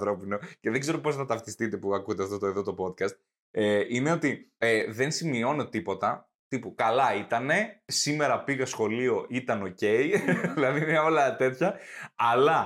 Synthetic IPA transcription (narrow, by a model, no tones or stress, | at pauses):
θɾo̞pino̞ce̞ðeɡze̞ɾo̞po̞sθɐt̪ɐft̪ist̪it̪e̞puɐkut̪eɐft̪o̞t̪oeðo̞t̪o̞po̞t̪kɐst̪ | eine̞o̞t̪ieðe̞nsimio̞no̞t̪ipo̞t̪ɐ | t̪ipukɐlɐit̪ɐne̞sime̞ɾɐpiɣɐsxo̞lio̞it̪ɐno̞ce̞jðilɐðinɐolɐt̪e̞t̪çɐːlɐ